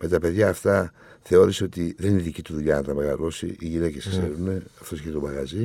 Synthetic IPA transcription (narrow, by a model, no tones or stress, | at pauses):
me̞t̪ɐpe̞ðʝɐːft̪ɐ | θe̞o̞ɾiseo̞t̪iðeniniðicit̪uðuʎɐnɐt̪ɐme̞ɣɐlo̞sḭʔiʝine̞ce̞skse̞ɾune̞ɐft̪osçet̪omɐɣɐzi